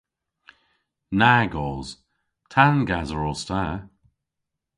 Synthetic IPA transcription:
naɡɔːz̥ | tʰanɡazəɹɔstʰa

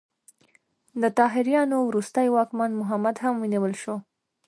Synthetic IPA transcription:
d̪ət̪ɑɦɪɾjɑnowɾust̪əjwɑkmanmʊɦamad̪ɦamwəniwəlʃo

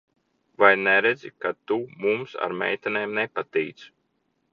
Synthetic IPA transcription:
vajnɛɾɛd̪zikat̪umumsa̰ɾmɛ̰jt̪ʲɛneːmnɛpat̪ijt̪s

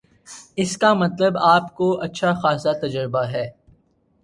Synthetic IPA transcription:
ɪskamɐt̪ləbaːpkoʔɐtːʃʰaxaːsat̪ɐd͡ʒəɾbaɦɛː

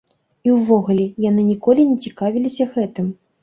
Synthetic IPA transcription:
iwvɔɣulʲɛjan̪ɨnʲikɔlʲinʲɛt͡sʲikavʲilʲisʲɐɣɛt̪ɨm

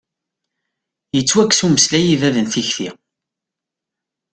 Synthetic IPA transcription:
jət͡sːwækːsuməslæjivæðənθiçθi

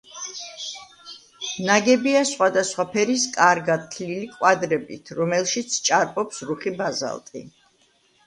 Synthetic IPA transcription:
naɡɛbiasχwad̪asχwapʰɛɾiskʼaɾɡad̪̚t̪ʰlilikʼwad̪ɾɛbḭt̪ʰɾɔmɛlˠʃit̪sʰt͡ʃʼaɾpʼɔpsɾuχibaza̰lˠt̪ʼḭ

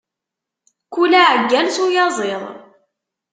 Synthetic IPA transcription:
kulæʕəɡːælsujɑzˤeðˤ

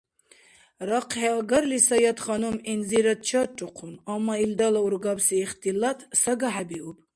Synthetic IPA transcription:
ɾaqʰhɛaɡaɾlisajat̪χanuminziɾat̪̚t͡ʃʰaʈʼuqʰunamːaild̪alauɾɡabsiːχt̪ʰʼilat̪ʰʼsaɡaħabiub

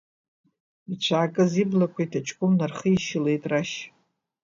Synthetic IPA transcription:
it͡ɕʷʰaːkʼɨziblakʷʰajtʰat͡ʃʰʼkʷʼʊmnarχəiʃɪle̞jtʼraʃ

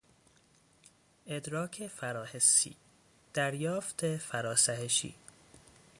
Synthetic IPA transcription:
ʔed̪ɾɒːkʰe̞fæɾɒːhesḭː | d̪̥æɾjɒːft̪ʰefæɾɒːsæheʃḭː

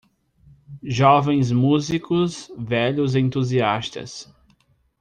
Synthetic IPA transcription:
ʒɔvẽj̃zmuzikʊsvɛʎʊzẽnt̪uziast̪ɐ̰s

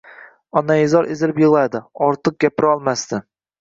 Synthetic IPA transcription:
ɒnajɪzɒɾʔezɪlɪpjɨʁlˠad̪ɪɒɾt̪ʰɨq̚ɡʲapʰɪɾɪɒlˠmast̪ɪ

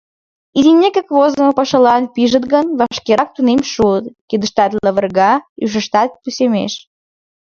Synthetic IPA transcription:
id̪ʲinʲːekəkvozəməpəʃəlɑnpiʒət̪ɣənvɑʃkeɾɑk̚t̪unemʃuət̪kid̪əʃt̪ɑt̪ləβərɣɑyʃ̬əʃt̪ɑt̪̚pusʲemḛʃ

